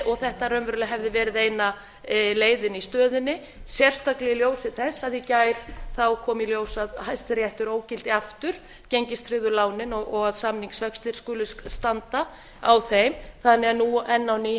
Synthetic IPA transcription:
ɔɣθɛht̪arœɥmvʏɾʏlɪɦɛvðɪvɛːɾɪðeːjna | leːjðɪnist̪œːðɪnːɪ | sjɛr̥st̪aklɛiljoːwsɪ̥θɛsːaðjɪcaːjɾ̥θawkʰɔːmiljoːwsaðhajst̪ɪɾjɛht̪ʏɾoːwcɪl̥t̪ɪaft̪ʏɾ̥ | ceɲcɪst̪ʰɾɪðʏlaːwnɪnɔɣɔɣaðsamniŋksvœkst̪ɪɾ̥skʏːlʏst̪ant̪a | awθejmθanːɛanuɛnːawni

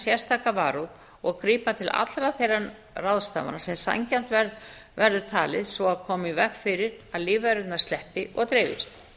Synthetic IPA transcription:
sjɛ̥st̪ʰaːkava̰ːɾuð | ɔɣkɾiːpat̪ʰɪlʔa̰t̪lɾaðθejɾan | rawðst̪a̰va̰nasɛmsa̰ɲcan̥t̪vɛ | vɛɾðʏt̪ʰa̰ːlɪðsvɔaðkʰɔːmɪivɛkfɪɾɪɾaðliːvaɾʏt̪naɾ̥st̪lɛhpɪʔɔɣt̪ɾeːvɪ̰st̪

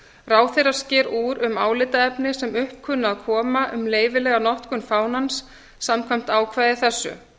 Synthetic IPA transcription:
raːwθejɾḁscɪːɾuːɾʏmaːwlɪt̪aɛpnɪsɛmʏhp̚kʰʏnːaaðkʰɔːmaʔʏmleːjvɪlɛːɣanɔht̪kʏnfaːwnansː | amkʰvajm̥t̪aːwkʰvaːjðɪθɛsːʏ̰

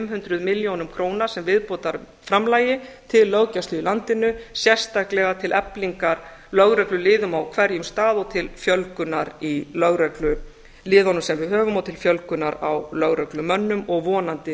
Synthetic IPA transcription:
fɛmɦʏnt̪ɾʏðmɪljownʏmkʰɾoːwnaɾ̥sɛmvɪðpoːt̪aɾ | fɾamlaːjɪt̪ʰɪlːœɣcast̪ʏilant̪ɪnʏsjɛr̥st̪ahklɛɣat̪ʰɪlʔɛpliŋkaɾ | lœɣɾœklʏlɪːðʏmawkʰvɛɾjʏmst̪aːðɔt̪ʰɪlfjœlkʏnaɾilœɣɾœklʏ | lɪːðɔnʏmsɛmvɪðɦœːvʏmawt̪ʰɪlfjœlkʏnaɾawlœɣɾœklʏmœnːʏmɔɣvɔːnant̪ɪ

